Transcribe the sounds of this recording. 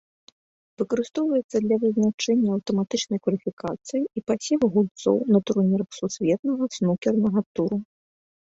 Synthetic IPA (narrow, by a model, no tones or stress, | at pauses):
vɨkɐɾɨst̪ɔwvɐjɛt̪sːɐd̪lʲɐvɨzʲnat͡ʂɛnʲːɐɐwt̪ɐmat̪ɨt͡ʂnɐjkvɐlʲifʲikat̪sɨjiipasʲivɐɣulʲt̪sɔ̰wnɐt̪uɾnʲiɾɐxsusʲvʲɛt̪nɐɣɐsnukʲɛrnɐɣɐt̪uɾu